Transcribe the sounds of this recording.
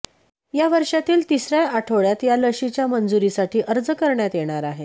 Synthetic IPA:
jaʋəɾʂat̪iːlt̪isɾjaaʈʰoɭjat̪jaləɕit͡ɕjamənd͡zuɾisaʈiːʔəɾd͡zəkəɾɳjat̪jeɽ̃aɾaɦe

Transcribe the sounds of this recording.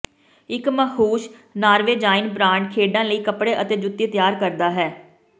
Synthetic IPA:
ɪkməhuːʃnaːɾʋeːd͡ʒaːɪnbɾãːɳɖkʰeːɖãːləiːkəpɽeːʔət̪eːd͡ʒʊt̪ːiːt̪jaːɾkəɾd̪aːɦɛː

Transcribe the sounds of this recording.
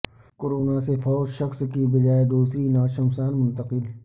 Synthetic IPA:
koːɾoːnasefɔːd͡ʒʃəxskibɐd͡ʒaːed̪uːsɾinaːʃəmsaːnmʊ̃nt̪əqɪl

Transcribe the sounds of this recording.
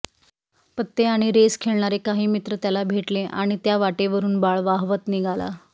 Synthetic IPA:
pət̪ːeaɽ̃iɾeskʰeɭɳaɾekaɦiːmit̪ɾət̪jalabʱeʈleʔa̰ɽ̃it̪jaʋaʈeʋəɾuːnbaɭʋaɦʋət̪niɡʱala̰

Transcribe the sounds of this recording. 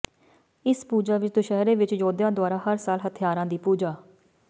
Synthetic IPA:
ɪspuːd͡ʒaːʋɪt͡ʃd̪oʃɛɦɾeːʋɪt͡ʃd͡ʒoːd̪jãːd̪ʊaːɾaːɦəɾsaːlɦət̪ʰjaːɾãːd̪iːpuːd͡ʒaː

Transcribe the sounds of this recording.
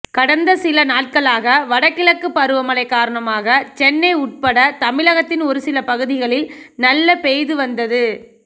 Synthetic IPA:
kɐɽɐnd̪ɐsɪlɐnaːʈ̚kɐɭaːɣɐʋɐɽɐkːɪɭɐkːɯpːɐɾɯʋɐmɐɭɐɪkːaːɾɐɳɐmaːɣɐt͡ʃɛnːɐɪʊʈ̚pɐɽɐt̪ɐmɪlɐɣɐt̪ːɪnɔɾɯsɪlɐpɐɣɯðɪɣɐɭɪl | nɐlːɐpejðɯʋɐnd̪ɐðɯ

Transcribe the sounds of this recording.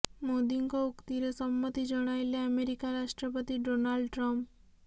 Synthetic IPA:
mod̪iŋkoʊkt̪iɾesəmːət̪id͡ʒəɽ̃ajleəmeɾikaɾaʃʈɾəpət̪iɖonalɖʈɾɔmp

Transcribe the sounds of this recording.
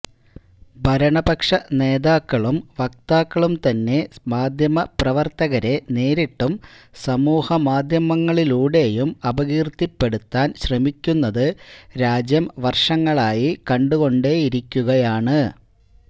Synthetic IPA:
bʱɐɾɐɳɐbɐkʂɐne̞ːðaːkːɐɭumʋɐk̚t̪aːkːɐɭumt̪ɐnːe̞maːd̪ʱjɐmɐprɐʋɐrt̪ɐɣɐɾe̞ne̞ːɾiʈːumsɐmuːhɐmaːd̪ʱjɐmɐŋːɐɭiluːɽe̞jumɐbɐɣiːrt̪ːipːe̞ɽut̪ːaːnɕrɐmikʲːunːɐðɨɾaːd͡ʑjɐmʋɐrʂɐŋːɐɭaːjikɐɳɖuɣo̞ɳɖe̞jiɾikʲːuɣɐjaːɳɨ

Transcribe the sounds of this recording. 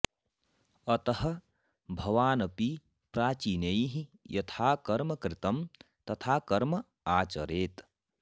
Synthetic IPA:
ɐt̪ɐɦɐ̆ | bʱɐʋaːnɐpi | pɾaːt͡ʃiːnejɦĩjɐt̪ʰaːkɐɾmɐkɾɪt̪ɐm | t̪ɐt̪ʰaːkɐɾmɐ | aːt͡ʃɐɾeːt̪

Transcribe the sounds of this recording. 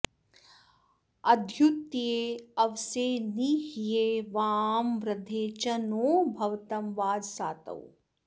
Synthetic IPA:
ɐd̪ʱjut̪jeːɐʋseːniɦijeːʋaːmɾɐd̪ʱeːt͡ʃɐnoːbʱɐʋt̪ɐmʋaːd̪saːt̪ɐ̰w

